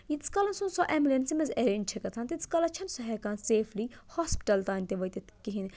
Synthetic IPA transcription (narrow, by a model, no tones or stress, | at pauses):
jit͡sʰkɐlɐnsunsɔʔɛmlensimɐzeɾint͡ʃʰekɐt͡s̪ʰãːnt̪it͡sʰkɐlɐt͡ʃʰɐnsɔɦɛkanseːfʰlihɔspi̥ʈɐlt̪aːnʲt̪eʋɐjt̪et̪kiɦin